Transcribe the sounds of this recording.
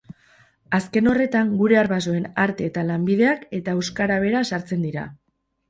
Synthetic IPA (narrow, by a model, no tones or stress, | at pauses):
aske̞no̞re̞t̪aŋɡuɾe̞aɾβaso̞e̞naɾt̪e̞ːt̪alambiðe̞ake̞t̪aewskaɾaβ̞e̞ɾasaɾt͡se̞nd̪iɾa̰